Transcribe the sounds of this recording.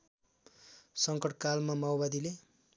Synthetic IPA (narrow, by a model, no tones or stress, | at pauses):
sʌŋkʌʈkalmamawbad̪ile